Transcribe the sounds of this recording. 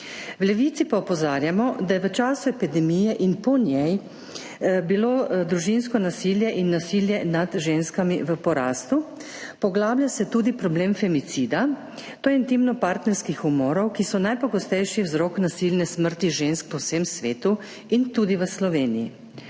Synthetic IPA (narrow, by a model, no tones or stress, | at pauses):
wlɛʋit̪sipaɔpɔzaːɾjamɔd̪ajɛʋət͡ʃaːsuɛpid̪ɛmijɛʔinpɔnjɛj | biloːd̪ɾuʒins̬kɔnasiljɛʔinːasiljɛnad̪ʒeːnskamiʋəpɔɾaːst̪u | pɔɡlabljasɛt̪ud̪ipɾɔbleːmfɛmit̪sid̪a | t̪oːint̪imnɔpaɾt̪nɛɾskixumɔːɾɔwkisɔnajpɔɡɔst̪ɛjʃiwzɾɔknasilnɛsməɾt̪iʒensk̚pɔwsemsʋeːt̪u | int̪uːd̪iʋəslɔʋeːnijḭ